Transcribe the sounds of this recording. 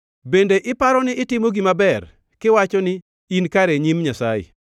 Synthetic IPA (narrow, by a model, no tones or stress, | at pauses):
bendeʔɪpaɾɔnɪɪtɪmoɡimabɛr | kɪwat͡ʃɔnɪ | inkaɾeɲimɲasajɪ̰